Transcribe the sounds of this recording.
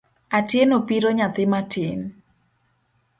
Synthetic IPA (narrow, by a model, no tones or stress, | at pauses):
atjenopiɾoɲat̪ɪmatʰɪn